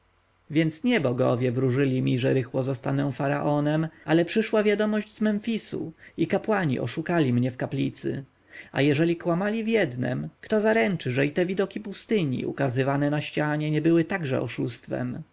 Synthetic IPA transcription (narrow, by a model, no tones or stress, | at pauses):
vʲjɛnt̪sɲɛbɔɡɔ̰vʲjɛvɾuʐɘlʲimʲiʐɛɾɘxwɔzɔst̪anɛ̃faɾaʔɔnɛmʔalɛpʂɘʂwavʲjad̪ɔmɔʑd͡ʑzmɛnfʲisṵikapwaɲḭʔɔ̰ʂukalʲimɲɛfkaplʲit̪sɘ̰ | a̰jɛʐɛlʲikwamalʲivʲjɛd̪nɛ̰mkt̪ɔzaɾɛnt͡ʂɘʐɛit̪ɛvʲid̪ɔkʲipust̪ɘɲḭṵkazɘvanɛnaɕt͡ɕaɲɛɲɛbɘwɘt̪aɡʐɛ̰ɔ̰ʂust̪fɛ̰m